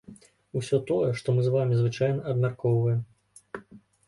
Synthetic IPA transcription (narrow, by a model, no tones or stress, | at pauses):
uwsʲɔt̪ɔjɛʂt̪ɔmɨzvamʲizvɨt͡ʂajnɐɐbmʲarkɔwvɐjɛm